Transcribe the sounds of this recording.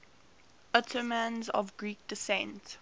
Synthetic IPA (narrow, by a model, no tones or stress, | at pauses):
ətʰəmãnzɔ̰vɡɹiːk̚d̥əsɛ̃nt